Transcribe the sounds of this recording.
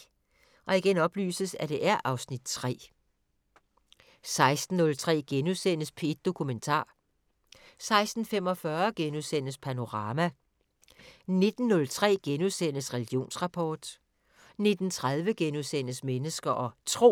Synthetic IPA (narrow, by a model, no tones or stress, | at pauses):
ʔɒ̽iɡ̥enɒ̽b̥ly̰ːsəsæd̥e̝ʔæɐʔɑ̈ʊsnid̥t͡sʰʁɛ̰ː | sɑ̈ɪsd̥n̩ːɔ̽lt͡sʰʁɛ̰ːɡ̥enuðˠsen̰əspʰed̥̚d̥o̝kʰument͡sʰɑ̰̈ː | sɑ̈ɪsd̥n̩fem̰ɒ̽fɶɐɡ̥enuðˠsen̰əspʰæno̝ʁɑ̈ːmæ | ne̝d̥n̩ːɔ̽lt͡sʰʁɛ̰ːɡ̥enuðˠsen̰əsʁɛliɡ̥ijo̝̰ːnsʁɑ̈pʰɒːd̥ | ne̝d̥n̩t͡sʰʁað̞ˠʋəɡ̥enuðˠsen̰əsmenəsɡ̥ɐʔɒ̽t͡sʰʁo̝̰